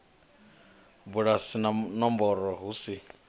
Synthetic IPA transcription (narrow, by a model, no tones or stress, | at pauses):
buɺasinanɔmbɔɾɔɦusi